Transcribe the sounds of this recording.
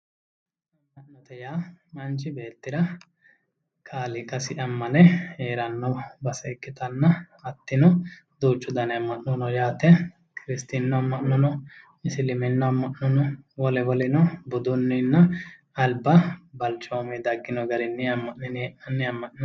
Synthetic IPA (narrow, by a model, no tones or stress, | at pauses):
mɐnːɐʔnɔt̪ɛjaːmɐnt͡ʃːɪbe̞ːt̪ːɪɾɐ | kʰaːlɪkɐsɪʔɐmːɐnɛeːɾɐnːɔbɐsɛɪkːɪt̪ɐnːɐ | ɐt̪ːɪnɔ | d̪uːt͡ʃːʊd̪ɐnɛɐmːɐʔnɔnɔjaːt̪ɛ | kɪɾɪst̪inːɔɐmːɐʔnɔnɔ | ɪsɪlɪmɛnːɔɐmːɐʔnɔnɔwɔlɛwɔlɪnɔbʊd̪ʊnːɪnːɐː | lbɐbɐlt͡ʃːoːmɛd̪ɐɡːɪnɔɡɐɾɪnːɛɐmːɐʔnɛnɛɛʔnɐnːɛɐmːɐʔɔ